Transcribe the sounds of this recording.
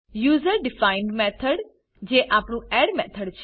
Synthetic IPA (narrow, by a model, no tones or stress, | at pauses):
juːzəɾɖɪfaːɪ̃ɳɖmɛːt̪ʰəɖ | d͡ʒeːʔaːpɳũːɛːɖmɛːt̪ʰəɖt͡ʃʰ